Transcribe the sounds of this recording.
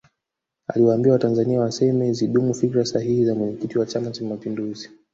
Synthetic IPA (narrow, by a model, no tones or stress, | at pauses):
a̰liwaːmbiawatanzaniawasɛmɛziɗumufikɾasaɦihizamwɛɲɛkitiwat͡ʃamat͡ʃamapinduzi